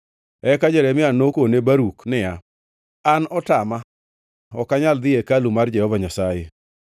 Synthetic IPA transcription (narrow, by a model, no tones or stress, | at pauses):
ɛkad͡ʒɛɾɛmɪanokonebaɾuknɪa | anɔtama | ɔkaɲald̪ɪekalumard͡ʒɛhɔvaɲasaje